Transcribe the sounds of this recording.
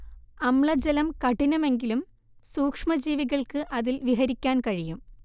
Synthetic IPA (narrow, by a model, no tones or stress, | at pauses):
ɐmɭɐd͡ʑelɐmkɐʈinɐme̞ŋɡilum | suːkʂmɐd͡ʑiːʋiɣɐɭkɨʔɐðilʋiɦɐɾikʲːaːnkɐɻijum